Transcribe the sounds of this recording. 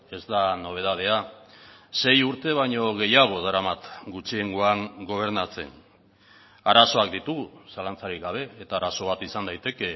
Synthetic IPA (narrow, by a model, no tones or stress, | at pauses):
e̞zd̪ano̞β̞e̞ðað̞e̞a | se̞juɾt̪e̞β̞aɲo̞ɣ̞e̞jaɣ̞o̞ðaɾamat̪ɡut͡ʃie̞ŋɡoaŋɡo̞β̞e̞ɾnat͡se̞̰ŋ | aɾaso̞ak̚d̪it̪usalant͡saɾiɡaβ̞e̞ːt̪aːɾaso̞β̞at̪isand̪ajt̪e̞ke̞